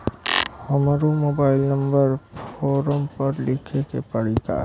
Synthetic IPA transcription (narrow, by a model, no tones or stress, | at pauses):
həmɾomoːbaːɪlnə̃mbəɾfoːɾəmpəɾlɪkʰekḛpəɽ̤it̪a̰